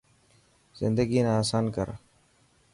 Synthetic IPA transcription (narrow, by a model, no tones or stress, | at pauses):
zɪ̰nd̪əɡiːnaaːsaːnkə̰ɾ